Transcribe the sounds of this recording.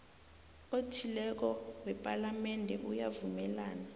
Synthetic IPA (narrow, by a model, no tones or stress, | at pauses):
otʰilɛk̬ɔwɛpʼalamɛndʱɛʔujavumɛlaːna